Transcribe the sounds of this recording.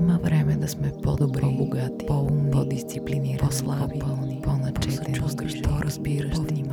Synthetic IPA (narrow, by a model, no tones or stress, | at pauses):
maʋɾeːmɛd̪asmɛpod̪obɾobuɡat̪i̥pounod̪ist̪sipliniːɾoslˠapolniponat͡ʃɛt̪ɛot̪oɾazbiːɾapʃim